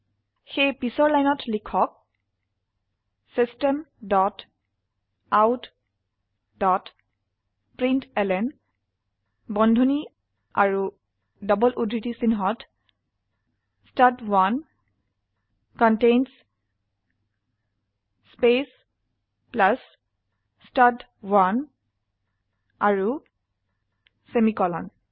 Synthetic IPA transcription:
xejpisɔɹlajnɔtlikʰɔk̚ | sistɛmdɔt | awt | dɔt | pɹintɛlɛn | bɔndʱoni | a̰ɹu | dɔbɔlʔudʱɹitisinɦɔt | stadwan | kɔntejns | spes | plasː | tad | wan | aɹu | semikɔlɔ̰n

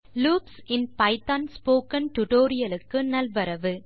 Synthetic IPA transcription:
luːpsɪnpɐɪt̪anspoːkɐnʈʊʈoːɾɪjɐlɯkːɯnɐlʋɐɾɐʋɯ

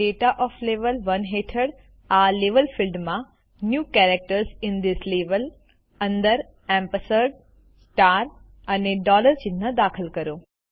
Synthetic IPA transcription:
ɖeːʈaʔɔːfleːʋəlʋɐnɦeːʈʰəɽ | aːleːʋəlfilɖmã | njuːkɛːɾek̚ʈəɾsɪ̃nd̪ɪsleːʋəl | ɐ̃nd̪əɾ | ɛ̃ːmpəsəɾɖ | sʈaːɾ | ɐneɖɔːləɾd͡ʑɪnnəd̪aːkʰəlkɐɾjoː

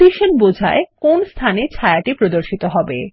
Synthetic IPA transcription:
iʃonbod͡ʑʱa̰ekonst̪ʰanet͡ɕʰaeaʈipɾod̪oɾʃit̪oɦɔbḛ

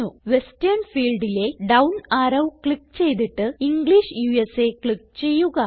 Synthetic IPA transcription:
uʋe̞stɐɾnfiːlɖile̞ɖɐwnaːɾɐʋkɭikːt͡ɕe̞jt̪iʈːɨiŋɡɭiʂjuːese̞kɭikːt͡ɕe̞jːuɣɐ

